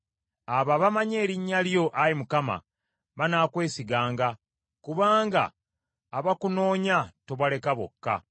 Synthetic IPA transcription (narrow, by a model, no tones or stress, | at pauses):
aβaβamaɲe̞ːɾiɲːaljo̞ʔajimukama̰ | βanaːkwe̞ːsiɡaːŋɡa | kuβaːŋɡa̰ː | βakuno̞ːɲate̞βwale̞kaβo̰kːa̰